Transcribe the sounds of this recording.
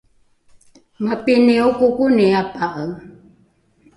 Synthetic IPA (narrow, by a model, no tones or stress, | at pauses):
mapiniukukuniapaʔəŋ